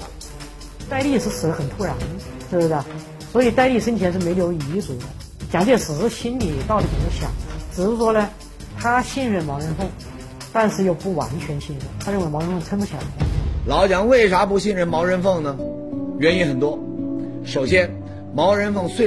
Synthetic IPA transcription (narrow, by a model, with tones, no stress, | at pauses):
t̪a˥˧ɪli˥˧ʂɻ̩˥˩sɹ̩˨˩lə˦˥xə˨˩nt̪ʰu˥ɻa˧˥n | ʂi˥˩bə˧˩sə˥˩ | swɔ˧˥i˨˩t̪a˥˧ɪli˥˩ʂə˥nt͡ɕʰjɛ˧˥nʂɻ̩˥˩me˧˥ɪljo˧˥ʊi˧˥t͡su˨˩˦d̪ə˦ | t͡ɕjɑ˨˩ŋt͡ɕe˥˩ʂɹ̩˨˩˥ɕi˥nli˨˩˦t̪ɑ˥˩ʊlə˨˩ti˨˩ə˥ɕjɑ̰˨˦ŋʈ͡ʂɻ̩˨˩ʂɻ̩˥˧˩ʂwɔ˥nə˧ | t̪ʰa˥ɕi˥˧nɻə˥˩nmɑ˧˥ʊɻə˧˥nfɤ˥˩ŋ | t̪a˥˧nʂɻ̩˥˧jo˥˧ʊpu˥˩wa̰˧˥nt͡ɕʰɥɛ˧˥nɕi˥˧nɻə˥˩nt̪ʰa˥ɻə˥˩nwɪm˧˥ɻə˧˥nfɤ˥˩ŋt͡sʰə˥nfə˧˥t͡ɕʰɛ˨˩˥lɑ˧˥ʊt͡ɕjɑ˧˥ŋwe˥˩ɪʂa˧˥pu˧˥ɕi˥˧nɻə˥˩nmɑ˧˥ʊɻə˧˥nfɤ˥˩ŋnə˩ | ɥɛ˧˥ni˧˥nxə˨˩nt̪wɔ˥ | ʂo˨˩ʊɕjɛ˥n | mɑ˧˥ʊɻə˧˥nfɤ˥˧ŋswe˥˧